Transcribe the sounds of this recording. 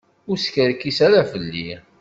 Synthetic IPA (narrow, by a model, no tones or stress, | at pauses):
ʊɾskəɾkːisæɾafəlːi